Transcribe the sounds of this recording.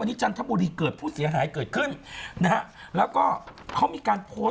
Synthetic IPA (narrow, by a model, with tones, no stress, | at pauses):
a˧nːi˦˥t͡ɕʰa˧nt̪ʰa˦˥mbu˧ɾiː˧kɤː˨˩t̪̚pʰuː˥˩si˩˦ɐɦaː˩˦jkɤː˨˩t̪̚kʰɯ˥˩nna˦˥ha˦˥ | lɛː˦˥wkɔː˥˩kʰa˦˥wmiː˧kaː˧npʰoː˦˥